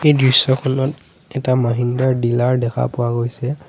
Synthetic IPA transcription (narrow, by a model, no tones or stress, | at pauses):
ejdɹisːɔkʰɔnɔt | ɛtamaɦindaɹdilaɹdɛkʰa̰pʊwaɡojsɛ